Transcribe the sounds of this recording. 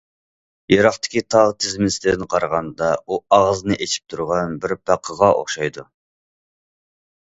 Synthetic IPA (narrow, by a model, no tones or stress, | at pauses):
jɑɾɑχt̪ʰɪ̥kʲit̪ʰɑʁt̪ʰɪzmslɪd̪nqʰɑɾəʁɑnd̪ɑuɑʁznɨʔet͡ʃʰi̥p̚t̪ʰuɾʁɑnbɪɾpʰæqʰːəʁɑʔo̰χʃɑjd̪u